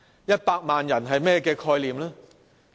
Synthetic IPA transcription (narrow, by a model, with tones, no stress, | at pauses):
jɐ˥t̚paː˧k̚maː˨njɐ˨˩nɦɐ˨jmɛː˥˩kɛː˧kʰɔː˧jliː˨˩mlɛː˥